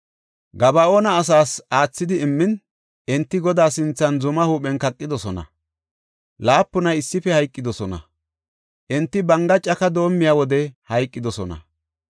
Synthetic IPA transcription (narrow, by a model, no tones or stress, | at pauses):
ɡɐbɐo̞ːnɐːs̬aːsaːt͡sːɪd̪ɪːmːɪn | ʔɛnt̪ːɪɡɔd̪aːsɪnt͡sːɐnzʊmɐhuːpɛnkɐkʼːɪd̪ɔsɔnɐ̰ | laːpːʊnɐjɪsːɪfɛhɐjkʼːɪd̪ɔsɔnɐ̰ | ʔɛnt̪ːɪbɐŋɡɐt͡ʃʼɐkɐd̪o̞ːmːɪjaːwɔd̪ɛhɐjkʼːɪd̪ɔsɔnɐ̰